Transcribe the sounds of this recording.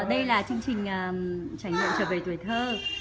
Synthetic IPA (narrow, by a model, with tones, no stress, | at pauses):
ɗə˧jlaː˨˩t͡ɕɨ˧əŋt͡ɕï˨˩ŋ̟ʔəː˨˩t͡ɕaː˧˩jŋŋwḭ˧˨mt͡ɕəː˧˩ve˨˩t̪wi˧˩˦jt̪ʰəː˧